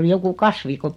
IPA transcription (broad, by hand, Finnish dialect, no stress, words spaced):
oli joku kɑsʋi ko